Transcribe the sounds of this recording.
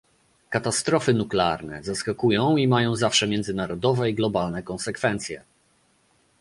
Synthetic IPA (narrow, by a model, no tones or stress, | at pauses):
kat̪ast̪ɾɔfɘnuklɛa̰ɾnɛ̰zaskakujɔ̃w̃imajɔ̃w̃zafʂɛmʲjɛnd̪zɘnaɾɔd̪ɔvɛiɡlɔbalnɛkɔnsɛkfɛnt̪sʲjɛ̰